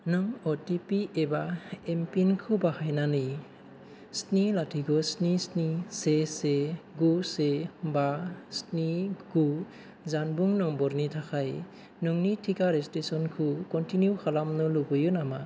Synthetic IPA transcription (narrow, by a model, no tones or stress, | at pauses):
nɯŋɔtipiebaempinkʰɯbahajnanɯ | snilatʰiɡɔsnisniseseɡusebasniɡu | zanbuŋnɯŋbɔɾnitʰakʰaj | nɯŋnitʰikaɾestesɔnkʰukɔntinjukʰalamnɯluɡɔjunama